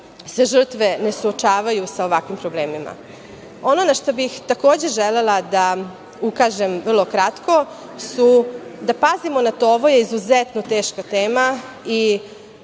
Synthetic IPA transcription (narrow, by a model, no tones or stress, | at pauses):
sʋeʒr̩t̪ʋe̞ne̞suot͡ʃaːʋajusao̞ʋakʋimpɾo̞ble̞ːmima̰ | o̞nonaʃt̪o̞bixt̪ako̞ːd͡ʑe̞ʒele̞lad̪a | ukaːʒe̞mʋr̩lˠo̞kɾat̪ko̞ | sud̪apazimo̞nat̪ooʋo̞jeizuzet̪not̪eːʃkat̪e̞ːma | i